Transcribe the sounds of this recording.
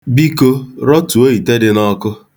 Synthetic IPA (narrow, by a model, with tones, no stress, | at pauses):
bi˦ko˦ɾɔ˦tu˨o˦i˨te˦dɪ˦nɔ˦kʊ˦